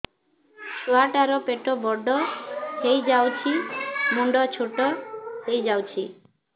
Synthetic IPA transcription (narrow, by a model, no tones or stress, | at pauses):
suaʈaɾɔpeʈɔbɔɖɔhejd͡ʒawt͡ʃʰimuɳɖɔt͡ʃʰoʈɔhejd͡ʒawt͡ʃʰi